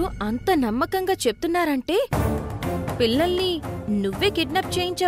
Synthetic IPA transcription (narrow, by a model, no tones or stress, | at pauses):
uɐnt̪ɐnɐmːɐkɐŋɡaːt͡ʃe̞pu̥t̪unːaːɾɐɳʈe̞ː | pilːɐlninuʋːe̞ːkiɖnaːp̚t͡ʃe̞ːjiɲt͡ʃaː